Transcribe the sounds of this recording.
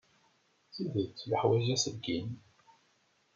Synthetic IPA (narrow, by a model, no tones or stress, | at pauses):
θiðət͡sːləħwæʒæsəɡin